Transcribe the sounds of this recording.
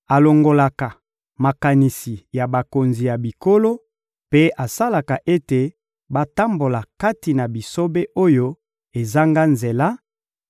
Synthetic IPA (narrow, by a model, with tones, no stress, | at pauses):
a˨lo˨ŋɡo˨la˨ka˨ | ma˨ka˨ni˨si˨ja˨ba˨ko˨nzi˨ja˨bi˨ko˦lo˦ | pe˦ʔa˨sa˦la˨ka˨ʔe˦te˨ | ba˦ta˦mbo˨la˨ka˦ti˨na˨bi˨so˦be˦ʔo˦jo˦ | e˨za˦ŋɡa˦nze˨la˦